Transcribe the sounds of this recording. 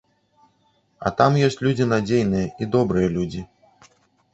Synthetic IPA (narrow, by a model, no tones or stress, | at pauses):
ɐ̰t̪amjɔsʲt͡sʲlʲud͡zʲinad͡zʲejnɨjɐʔid̪ɔbɾɨjɐlʲud͡zʲi